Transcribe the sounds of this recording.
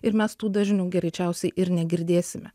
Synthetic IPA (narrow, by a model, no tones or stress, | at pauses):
ɪɾmʲɛst̪uːd̪ɐʒʲnʲuːɡʲɛɾʲɛɪt͡ʃʲɛˑʊsʲɛɪʔɪɾnʲɛɡʲɪɾʲd̪ʲeːsʲɪmʲɛ